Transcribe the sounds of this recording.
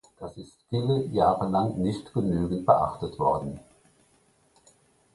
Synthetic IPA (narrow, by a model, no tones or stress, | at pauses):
d̥asɪstfiːləjaːʁəlaŋnɪçtɡ̥ənyːɡn̩t̚b̥əʔa̰χtətv̥ɔɐdn̩